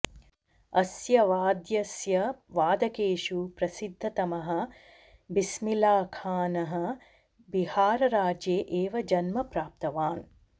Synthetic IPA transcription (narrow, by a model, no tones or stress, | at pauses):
ɐsjɐʋaːd̪jɐsjɐʋaːd̪ɐkeːʃupɾɐsid̪ʱːɐt̪ɐmɐɦɐ̆ | bismilaːkʰaːnɐɦɐ̆ | bihaːɾɐɾaːd͡ʒjeːʔeːʋɐd͡ʒɐnmɐpɾaːp̚t̪ɐʋaːn